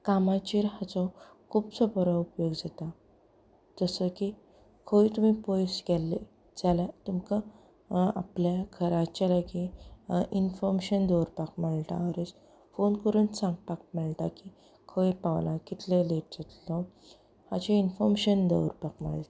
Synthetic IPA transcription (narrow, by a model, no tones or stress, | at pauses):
kamãt͡ɕiɾɦat͡sɔ | kʰuːpsəbɔɾaupjoɡd͡zat̪a | d͡zəsəki | kʰoit̪um̤ipojsɡɛle | d͡zalat̪umka | a̰pljakʰəɾat͡ɕalaɡiʔinfɔɾmɕənd̪əwɾpakməɭt̪a̰ɾet͡s | fonkəɾuːnsãŋɡ̚pak̚məɭt̪aki | kʰoipawlakit̪leleʈ̚d͡zət̪lɔ | hat͡ɕiinfɔɾmɕənd̪ə̰wɾpakm̤ə̰ɭt̪a